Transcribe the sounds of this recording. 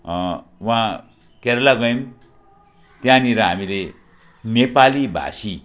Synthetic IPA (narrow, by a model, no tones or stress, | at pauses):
wã | keɾlaɡʌjm | t̪jãniɾʌɦa̰mile | nepalibʱa̰si